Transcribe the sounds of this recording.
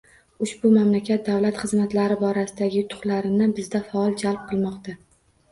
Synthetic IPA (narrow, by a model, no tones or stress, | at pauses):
ʊʃbʊmamlakʲʰat̪̚d̪awlat̪χɨzmat̪laɾɪbɒɾasɪd̪aɡʲɪʊt̪ʰʊ̥χlaɾɪnɪbɪzd̪afaɒlˠd͡ʒalp̚qʰɨlˠmɒqt̪ʰa